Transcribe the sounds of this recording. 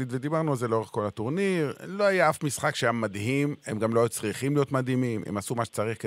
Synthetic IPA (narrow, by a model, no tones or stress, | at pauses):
id̪ved̪ibaʁnualzeleo̞ʁeχko̞lat̪oʁniʁloajaafmisχakʃeamːad̪ɦimemɡamlot͡sʁiχimlijo̞t̪mad̪himimḛmasumaʃe̥t͡saʁiχke